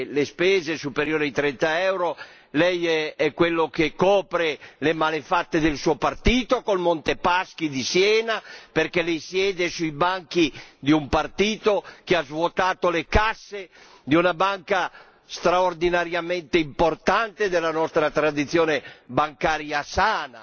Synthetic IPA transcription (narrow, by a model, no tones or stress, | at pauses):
lespɛːzesupeɾjoːɾeit̪ɾɛnt̪aɛwɾo | lɛjɛɛkwelːokekɔːpɾelemalefat̪ːed̪elsuopart̪iːt̪okolmont̪epask̟id̪isjɛːnaperkɛlɛjsjɛːd̪esujbaŋkid̪iumpart̪iːt̪ok̟eazvwot̪aːt̪olekasːe | d̪iunabaŋka | st̪ɾaord̪inaɾjament̪eimport̪ant̪ed̪elːanɔst̪ɾat̪ɾad̪it̪sjoːnebaŋkaːɾjasaːna̰